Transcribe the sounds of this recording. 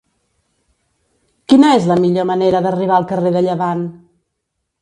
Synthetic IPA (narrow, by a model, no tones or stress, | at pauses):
kinəezləmiʎoməneɾəðəriβ̞aəlˠkəreðəʎəβan